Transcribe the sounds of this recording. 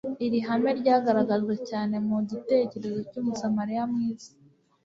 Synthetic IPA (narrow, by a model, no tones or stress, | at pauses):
iɾiɦame̞ɾɟaːɡaɾaɡaʒɡecaːne̞muɟite̞ce̞ɾe̞zocuːmusamaɾijamŋiːz̥i